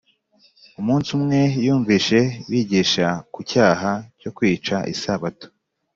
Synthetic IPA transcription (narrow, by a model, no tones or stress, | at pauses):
umuːnsumŋe̞juːɱviːʃe̞wiɟiʃakucaːɦaco̞kwiːt͡ʃaʔḭsaβato̥